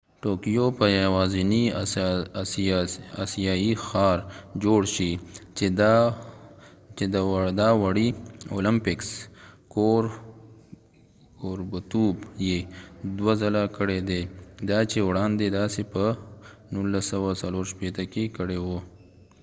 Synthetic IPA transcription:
ʈokijopəjwɑzini | asijɑixɑɾd͡ʒoɽʃi | t͡ʃed̪d̪ɑwaɽio̰lɪmpɪkskoɾ | koɾbət̪ubjed̪wazalakəɽed̪ed̪ɑt͡ʃewɽɑnd̪ed̪ɑsepənulːasawasaloɾʃpet̪akekəɽewo

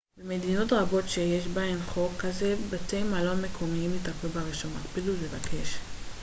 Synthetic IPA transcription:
bemedino̞tʁabo̞tʃejeʃbaenχo̞kːaze̞batejmalomekʰo̞miimitaplubaʁiʃoma̰kpidullevakʰe̞ʃ

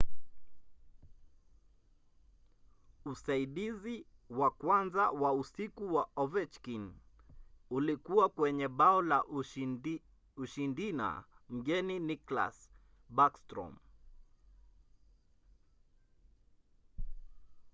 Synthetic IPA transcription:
usaiɗizi | wakwanzawausikuwaɔvɛt͡ʃkin | ulikuwakwɛɲɛɓaɔla | uʃindina̰m̩ɠɛninikla̰s | ɓakstɾɔ̰m

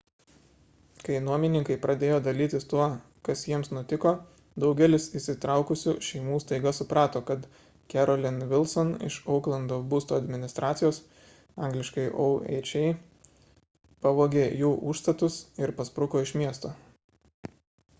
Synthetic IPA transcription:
kɐɪnuɔmʲɪnʲɪŋkɐɪpɾɐd̪ʲeːjoːd̪ɐlʲiːt̪ʲɪst̪uɔ | kɐsjiɛmsnʊt̪ʲɪkoː | d̪ɒʊɡʲɛlʲɪsɪsʲɪt̪ɾɑˑʊkʊsʲuːʃʲɛɪmuːst̪ɐɪɡɐsʊpɾɑːt̪oːkɐt̪ | kʲæɾɔlʲɪnʋʲɪlˠsɔnɪ̰ʃɒʊklˠɐnd̪oːbuːst̪oːɐd̪ʲmʲɪnʲɪst̪ɾʔɑːt̪sʲɪjoːs | ɑˑŋɡlʲɪʃkɐɪʔoɛ̰ɪt͡ʃʲɛɪ | pɑʋoːɡʲeːjuːʔuːʃst̪ɐt̪ʊsɪɾpɐspɾʊkoːɪʃmʲiɛst̪oː

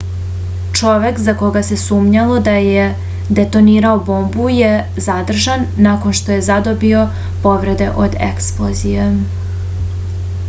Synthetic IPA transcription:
t͡ʂoʋe̞kzakoɡase̞suːmɲalo̞d̪aje | d̪e̞t̪o̞niːɾaobo̞mbuje | zad̪r̩ʒanːako̞nʃt̪o̞je̞zad̪o̞bio̞ | po̞ʋɾe̞d̪e̞ʔod̪ḛksplˠozije

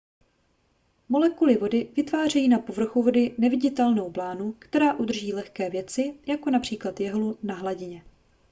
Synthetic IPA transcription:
mo̞lɛkulɪvo̞dɪvɪt̪vaːr̝ɛjiːnapo̞vr̩xuvo̞dɪnɛvɪɟɪt̪ɛlno̞wplaːnukt̪ɛɾaːʔud̪r̩ʒiːlɛxkɛːvjɛt͡sɪjako̞napr̝̥iːklat̪jɛɦlunaɦlaɟɪɲɛ

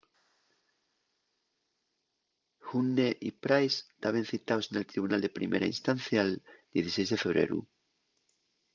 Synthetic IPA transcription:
xunːeʔipɾajst̪aβe̞nθit̪awsenelt̪ɾiβunald̪epɾḭmʔḛɾa̰ḭnst̪anθjaːld̪jeθisejzðe̞feβɾḛɾṵ

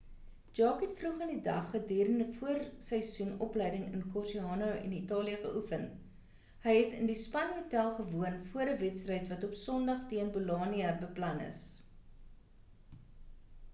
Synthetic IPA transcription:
d͡ʒɑːkɛtfruχəndidɐ̰χːədiːɾəndəfuərsəjsunɔplɛjdəŋənkɔrsiɑːnowɛ̰nitɑːliəχəʔufən | həjɦɛtəndispɐnɦotælˠχəvuənfuəɾəvɛtsrɛjtvɐtɔpsɔndɐχtiənbulɑːniəbəplɐnə̰s

